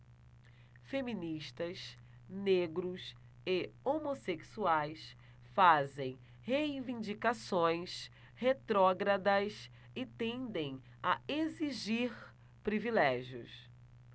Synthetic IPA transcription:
femĩniʃt̪ɐs | neɡɾʊs | ɪomoseksuajs | fazẽj̃ | hejivĩd͡ʒikasõj̃s | het̪ɾɔɡɾad̪ɐs | ɪt̪ẽnd̪ẽj̃ | aeziʒiɾ | pɾivilɛʒijʊ̰s

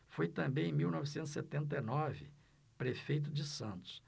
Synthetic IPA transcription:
fojt̪ɐ̃mbẽj̃ẽj̃miwnɔvɪsẽnʊset̪ẽnt̪̬ɐjnɔvɪ | pɾefejt̪ʊd͡ʒɪsɐ̃nt̪ʊ̥s

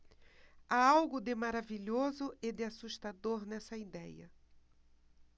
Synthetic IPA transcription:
aawɡʊd̪ɪmaɾaviʎozʊɪd̪ɪasuʃt̪ad̪oɾnɛsɐid̪ɛjɐ̰

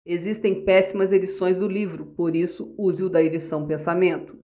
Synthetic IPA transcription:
ezist̪ẽj̃pɛsimɐzed͡ʒisõj̃zd̪ʊlivɾʊpoɾisʊuziʊd̪ɐed͡ʒisɐ̃w̃pẽsamẽnt̪ʊ̥

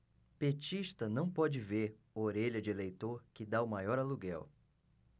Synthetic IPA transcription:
pet͡ʃiʃt̪ɐnɐ̃w̃pɔd͡ʒɪveɾ | oɾeʎɐd͡ʒɪelejt̪oɾkɪd̪aʊmajɔɾaluɡɛw

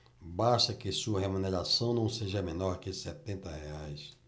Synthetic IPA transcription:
baʃt̪ɐkɪsuɐɦemuneɾasɐ̃w̃nɐ̃w̃seʒɐmẽnɔɾkɪsɛt̪ẽnt̪ɐheajs

